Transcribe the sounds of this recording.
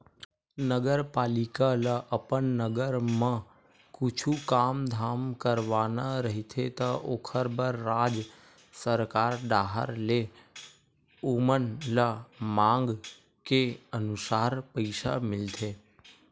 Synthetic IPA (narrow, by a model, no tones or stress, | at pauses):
nəɡəɾpalikaləʔəpəɳnəɡəɾmã | kut͡ʃʰukamd̪ʱamkəɾʋanaɾəɦit̪ʰet̪əʔokʰəɾbəɾːad͡ʒ | səɾkaɾɖ̪aɦə̰ɾle | umənlamãŋɡ | keənusaɾpəjʃa̰mɪlt̪ʰe